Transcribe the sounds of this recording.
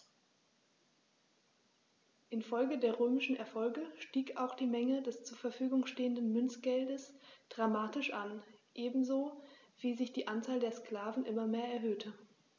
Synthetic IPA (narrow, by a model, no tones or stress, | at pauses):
ʔɪnfɔlɡədeːɐʁøːmɪʃn̩ɛɐfɔlɡəʃtiːkaʊxd̥iːmɛŋədɛst͡suːɐfɛɐfyːɡʊŋʃteːəndən̩mʏnt͡sɡ̥ɛldəsd̥ʁamaːtɪʃʔanʔeːbm̩zoː | v̥iːzɪçd̥iːʔant͡saːldeːɐskl̥aːvn̩ʔɪmɐmeːɐɛɐɦøːtʰə